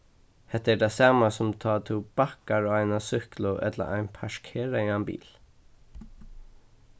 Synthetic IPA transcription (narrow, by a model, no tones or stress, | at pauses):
hɛht̪ːɛɖasɑːmasʊmt̪ʰɑːt̪ʰuːb̥akaɹɔːæɪnasʏhklʊʔɛ̰t̪lə̰ʔa̰ɪnpʰaʂkʰeːɹaambḭːl